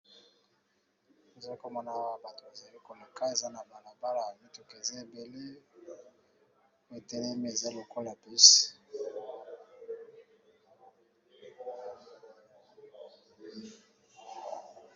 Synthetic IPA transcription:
o˨za˨li˦ko˨mɔ˦na˦ba˨to˨ba˨za˨li˦ko˨la˨ka˦e˨za˦na˨ba˨la˨ba˦la˨mi˦tu˨ke˨ze˦e˨be˨le˦ | we˨te˦le˦me˦e˨za˦lo˨ko˦la˨pi˦s

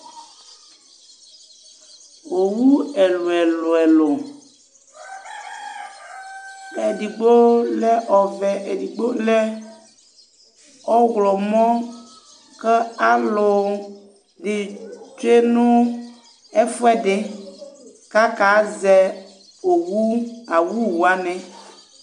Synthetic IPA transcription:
o˨wu˦e˨lʊ˨ɛ˨lʊ˨ɛ˨lʊ˨ | e˨di˨ɡ͡bo˦lɛ˦ʔɔ˨vɛ˨ʔe˨di˨ɡ͡bo˦lɛ˦ | ɔ˦ɣlɔ˨mɔ̃˦ | kɛ˦a˦lʊ˨ | ɖɪ˨t͡ʃu˦e˦nʊ̃˦ | e˦fʊ˦ɛ˦dɪ˨ | ka˦ka˨˦zɛ˦ | o˨wu˦a˨wu˦wu˨a˦nɛ̃˨

